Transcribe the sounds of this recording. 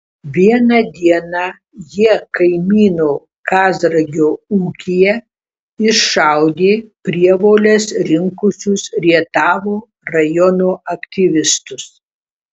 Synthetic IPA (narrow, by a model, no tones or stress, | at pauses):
ʋʲiɛnɐd̪ʲiɛnɑ | jiɛkɐɪmʲiːnoː | kɑːzɾɐɡʲoːuːkʲɪjɛ | ɪʃʃɑˑʊd̪ʲeːpʲɾʲiɛʋoːlʲɛsɾʲɪŋkʊsʲʊsɾʲiɛt̪ɑːʋoː | ɾɐjɔnoːɐkt̪ʲɪʋʲɪst̪ʊs